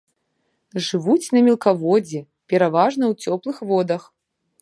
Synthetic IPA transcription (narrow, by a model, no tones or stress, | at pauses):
ʐɨvut͡sʲnɐmʲɛlˠkavɔd͡zʲɛ | pʲɛɾavaʐnɐwt͡sʲɔplˠɨxvɔd̪ɐx